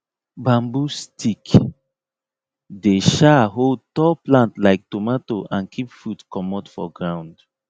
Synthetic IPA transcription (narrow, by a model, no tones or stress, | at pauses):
bãmbustʰik | deʃaɦold̚tɔplãntlaɪk̚tomatoʔãnkʰipfudkɔmɔtfɔ̰ɡɹãw̃nd